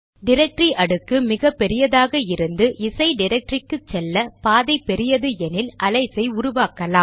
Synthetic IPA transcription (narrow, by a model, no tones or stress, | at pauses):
ɖɪɾɐk̚ʈɾiʔɐɽɯkːɯmɪɣɐpːɛɾɪjɐðaːɣɐɪɾɯnd̪ɯʔɪsɐɪɖɪɾɐk̚ʈrɪkːɯt͡ʃːɛlːɐpaːðɐɪpːɛɾɪjɐðɯɛnɪlɐlɐɪsɐɪʊɾʊʋaːkɐlaːm